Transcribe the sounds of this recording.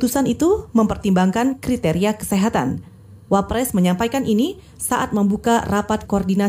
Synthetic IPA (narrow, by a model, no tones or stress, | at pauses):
ut̪usanit̪uməmpərt̪imbaŋkankɾit̪eɾiakə̥seɦat̪a̰n | wapɾɛsməɲampajkanini | saʔat̪̚məmbukarapat̪̚koɔrdina